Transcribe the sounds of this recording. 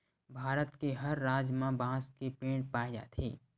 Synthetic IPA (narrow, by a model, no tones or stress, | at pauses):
bʱaːɾət̪keɦɐɾːaːd͡ʒmãbãːskepẽːɽpaːɪd͡ʒa̰t̪ʰiː